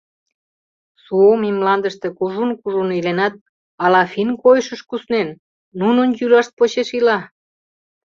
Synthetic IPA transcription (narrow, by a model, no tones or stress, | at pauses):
suomimlɑnd̪əʃt̪ekuʒunkuʒunilenɑt̪̚ | ɑlɑfinkojʃəʃkusnenː | unənjylɑʃt̪̚pot͡ɕeʃilɑ